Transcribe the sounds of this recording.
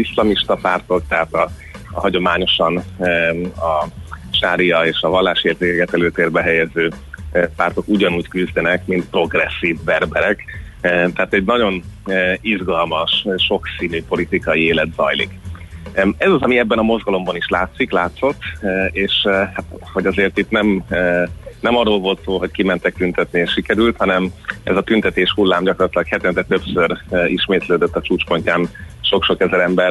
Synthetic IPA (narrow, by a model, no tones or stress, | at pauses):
islɒmiʃt̪ɒpaːrt̪o̞k̚t̪ɛɦaːt̪ɒ̰ | ɦɒɟo̞maːɲo̞ʃɒn | ɒʃaːɾijɒeːʃɒvɒlːaːʃeːrzeːkɛkɛt̪ɛløːt̪eːrbɛɦɛjɛzøːpaːrt̪o̞kuɟɒnuːckyzd̪ɛnɛkmint̪̚pro̞ɡrɛsːiːvbɛrbɛɾɛkt̪ɛaːt̪ɛɟnɒɟo̞nizɡɒlmɒʃʃo̞ksiːnyːpo̞lit̪ikɒjieːlɛt̪zɒ̰jlḭk | ɛzɒzɒmiɛbːɛnɒmo̞zɡɒlo̞mbɒniʃlaːt̪siklaːt̪so̞t̪ːeːʃhat̪ho̞ɟɒzeːrt̪it̪nɛmː | nɛmɒrːoːlvo̞lt̪soːlɦo̞ckimɛnt̪ɛk̚t̪ynt̪ɛt̪nieːʃʃːikɛɾylt̪hɒnɛmɛ̰zɒt̪ynt̪ɛt̪eːʃhulːaːmɟɒkorɑt̪lɒkhɛt̪ɛnt̪ɛt̪øpsøɾøiʃmeːt̪løːd̪øt̪ːɒt͡ʃuːt͡ʃpo̞ɲcaːn | ʃo̞kʃo̞kɛzɛɾɛmbɛr